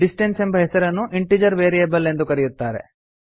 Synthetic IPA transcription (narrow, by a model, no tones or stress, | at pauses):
ɖisʈense̞mbɐɦesɐɾɐnːuʔiɳʈid͡ʒɐɾʋeːɾijɐbɐle̞nd̪ukɐɾijut̪ːaːɾe̞̰